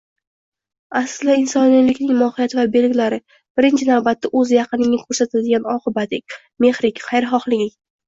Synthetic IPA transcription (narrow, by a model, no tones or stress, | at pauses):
aslɪɪnsɒnɪlɪkʲnɪŋmɒhɪjat̪ʰɪvabe̞lɡʲɪlaɾɪ | b̥ɪɾɪnt͡ʃʰɪnavbat̪ːaʔɵzjɑqɨnɪŋɪkʰɵɾsat̪ʰald̪ɪɡʲanɒqʰɨbat̪ɪkʲ | me̞χɾɪkʲqʰɑjɾɪχɒχlˠɪɪ